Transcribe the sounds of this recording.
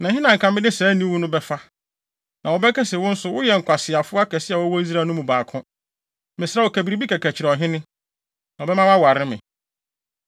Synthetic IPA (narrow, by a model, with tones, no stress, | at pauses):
nã˨ɦɪ̃˦nã˨ŋ̩˨kʰã˨mɪ̃˦nɪ̃˦sɛː˨˦nĩ˦wʊ̃˦nʊ̃˦bɛ˦fa˦ | nʔã˨wɔ˨bɛ˦kɛ˦sɛ˨wʊ̃˦n̩˦sʊ˨˦wʊ˦jɛ˨ŋ̩˨kʷa˨sɪ˨a˨fʊ˦a˦kʰɛ˨sɪ˦a˨wɔ˦wɔ˦i˦s̬ɾaː˦˨nʊ̃˦mũ˨baː˨kʰʊ̃˦ | mɪ̃˨sɪɾa˦wɔ˨kʰæ˨bi˨ɾi˦bi˦kʰɛ˨kʰæ˨t͡ɕʰɪ˨ɾɛ˨ɔ˨ɦɪ̃˦nɪ̃˦ | nã˨ɔ˨bɛ˦mã˦wã˦wa˨ɾɪ˦mɪ̰̃˨